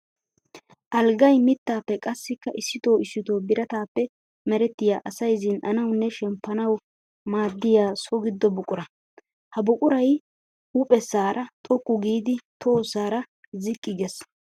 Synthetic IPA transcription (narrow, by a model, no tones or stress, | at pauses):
ʔɐlɡɐjmɪt̪ːaːpːɛkʼɐsːɪkːɐʔɪsːɪt̪o̞ːɪsːɪt̪o̞ːbɪɾɐt̪aːpːɛ | mɛɾɛt̪ːɪjaːʔɐsɐjzɪnɐnɐwnːɛʃɛmpːɐnɐw | maːd̪ːɪjaːsɔɡɪd̪ːɔbʊkʼʊɾɐ | hɐbʊkʼʊɾɐj | ʊpʼɛsːaːɾʔɐt̪ʼɔkːʊɡiːd̪ɪt̪ʰo̞ːsaːɾɐ | zɪkʼːɪɡɛs